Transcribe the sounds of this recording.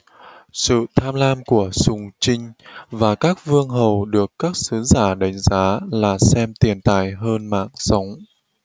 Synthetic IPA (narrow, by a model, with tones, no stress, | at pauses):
sɨ̰˧˨t̪ʰaː˧mlaː˧mku˧˩əsʊ˨˧˩ŋ͡mt͡ɕï˧ŋ̟vaː˨˩kaː˦˥k̚vɨ˧əŋɦə˨˩wɗɨ˨˩əkːaː˦˥k̚sɨ˨˦zaː˧˩ɗa˨˦jŋ̟zaː˨˦laː˨˩sɛ˧mt̪i˨˩ənt̪a̰ː˧˨jɦəː˧nma̰ː˧˨ŋsə˨˦wŋ͡m